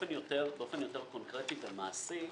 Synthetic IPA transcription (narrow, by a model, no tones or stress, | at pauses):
enjo̞t̪eʁbeofe̞njo̞te̞ʁkonkʁet̪ivemaːsi